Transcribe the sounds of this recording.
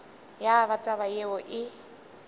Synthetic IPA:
jaβat͡sʼaβajeɔʔɪ

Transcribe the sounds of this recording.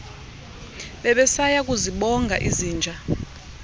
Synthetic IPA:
ɓɛɓɛsajak̬ʼuziɓɔŋɡʱa̰ʔiziːnd͡ʒʱa

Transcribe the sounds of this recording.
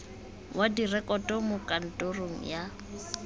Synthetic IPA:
wadirɛkʼɔtʼɔmʊkʼan̩tʼoroŋ̩ja

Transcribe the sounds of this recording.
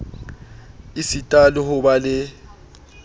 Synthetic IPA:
isitʼalɪhʊbalɪ

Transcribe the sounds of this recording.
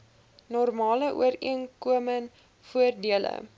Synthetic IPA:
nɔrmɑːləʔṵəɾḭənkuəmən | fuərdiələ̰

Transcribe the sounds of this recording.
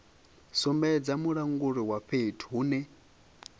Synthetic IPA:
sɔmbɛd͡zamuɺaŋɡuɺiwaɸetʰɦuːnɛ

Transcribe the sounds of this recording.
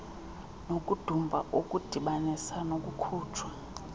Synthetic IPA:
nokʼud̥ʱumbʱa̰ʔokʼud̥ʱiɓanisanokʼukʰuːtʰwa

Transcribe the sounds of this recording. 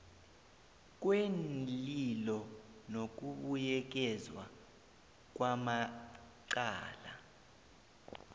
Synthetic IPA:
k̬wenlilɔnok̬uɓujɛk̬ɛzwa̰ | k̬wama | ǀa̰ːla

